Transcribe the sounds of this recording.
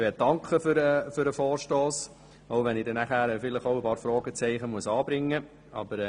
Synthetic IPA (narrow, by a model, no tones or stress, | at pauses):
ʋɛːtd̥ɑŋkχəfyɾɛfyɾəfɔːɾʃtoːs | oʊʋɛnɪdɛnæχæːɾɛfɪləχɔʊəpɑːɾfɾɔːɡ̥ət͡sɛɪχəmuəsɑːbɾɪŋːə | ɑ̰b̥əɾ